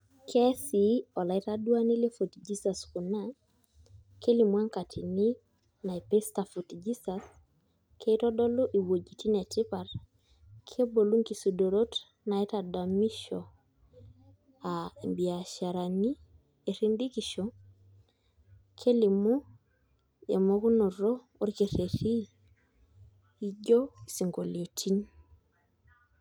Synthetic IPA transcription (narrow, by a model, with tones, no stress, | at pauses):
kʰɛ˦si˨ɔ˨la˨i˦ta˦du˦a˦ni˦le˦fo˨td͡ʒi˦sa˨sku˨na˦ | ke˦li˨mwa˦ŋka˨tʰi˨ni˦ | na˨e˨pe˦sta˨fo˨td͡ʒi˦sas | kʰe˦tɔ˦dɔ˦lo˦ʔi˨wo˨d͡ʒi˨ti˦nɛ˨ti˦pa˨r | kʰe˦bo˨lu˦ŋki˨su˨do˨ɾo˦t | na˨i˦ta˨da˨mi˦ʃɔ˨ | a˨mbi˨a˨ʃa˨ɾa˨ni˦ | e˨ɾi˦nd̪i˦ki˨ʃo | kʰe˦li˨mu˦ | ḛ˨mo˦ku˦no˨ɾo˦ | o˦ɾke˨ɾe˨ɾi˦ | i˦ɟo˦i̥si˨ŋɡo˨le˨tʰi˦n